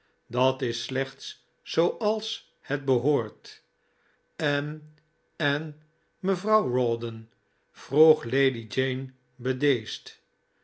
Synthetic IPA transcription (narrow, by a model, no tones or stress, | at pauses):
dɑtɪslɛχts | sowʔɑlˠs | həd̚bəɦoːɹt | ɛn | ɛn | məvrɑwɹɔdən | v̥ruχlejdid͡ʒejn | bədejst